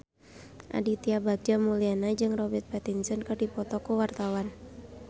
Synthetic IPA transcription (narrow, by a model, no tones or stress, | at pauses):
ʔa̰dit̪iabaɡ̚d͡ʒamulianad͡ʒɨŋrɔbɛrt̪̚pɛt̪insənkɨrdipɔt̪ɔkuwart̪awan